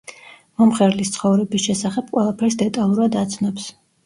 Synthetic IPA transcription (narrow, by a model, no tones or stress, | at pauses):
mɔmχɛɾlist̪sʰχɔvɾɛbisʃɛsaχɛb̚qʼwɛlˠapʰɛɾsd̪ɛt̪ʼalˠuɾad̪at̪sʰnɔps